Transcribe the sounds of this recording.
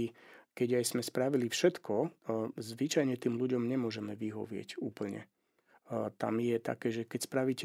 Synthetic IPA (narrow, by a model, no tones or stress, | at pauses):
ikɛɟajsmɛspɾaʋilifʃɛt̪kɔzʋit͡ʃajɲɛt̪iːmluɟɔmɲɛmʊɔʒɛmɛʋiɦɔ̰ʋɪɛ̰cṵːpl̩ɲɛ̰ | t̪a̰mjɛt̪a̰kɛːʒɛkɛcspɾaʋic